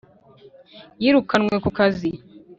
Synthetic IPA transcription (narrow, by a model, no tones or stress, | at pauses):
jiɾukanŋwe̞kukazi